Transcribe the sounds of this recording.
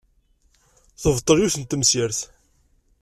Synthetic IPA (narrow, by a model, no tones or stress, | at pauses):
θəvt̪ˤːəljuθənt̪ːəmsəɾθ